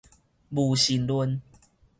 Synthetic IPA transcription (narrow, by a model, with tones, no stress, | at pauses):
bu˨˩ɕi˨˦nlwə˦n